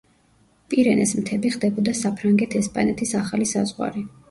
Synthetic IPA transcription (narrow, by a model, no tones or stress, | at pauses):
pʼiɾɛnɛsmt̪ʰɛbiχd̪ɛbɔd̪asapʰɾaŋɡɛt̪ʰɛspʼanɛt̪ʰisaχalisazʁwa̰ɾi